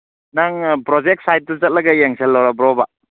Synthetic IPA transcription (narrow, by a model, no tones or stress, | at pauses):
naŋpɾɔd͡ʒek̚t̚sajt̚tuzɐt̚lɐɡajeŋsʰelːawɾabɾɔba